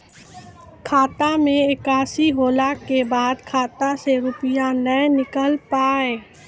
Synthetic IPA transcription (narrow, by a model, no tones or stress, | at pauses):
kʰaːt̪amẽɪkaːsiɦoːlaːkːebaːd̪kʰaːt̪aseɾʊpɪjanənɪkəlpaːeː